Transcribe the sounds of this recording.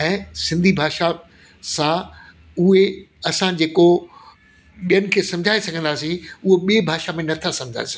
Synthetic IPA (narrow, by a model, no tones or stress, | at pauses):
ɛ̃ːsɪ̃nd̪ʱibʱaːʃa | sã | ʊɦe | ɐsãd͡ʑeːko | ɓijənɪ̆kʰeːsɐ̃md͡ʑʱaːesɐɡʱə̃nd̪aːsĩʊɦoɓiebʱaːʃamẽnɐt̪ʰasɐ̃md͡ʑʱa̰ːesɐɡ